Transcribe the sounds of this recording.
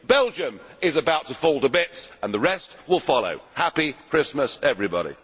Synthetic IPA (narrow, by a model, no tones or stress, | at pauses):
b̥ɛlˠd͡ʒɨ̃mɪzəbaʊtʰəfɔlˠtəbɪtsə̃nðəɹɛst̚wɪlˠfɑlˠo̰ʊhæpikʰɹ̥ɪsməsɛvɹibɑ̰ɾḭ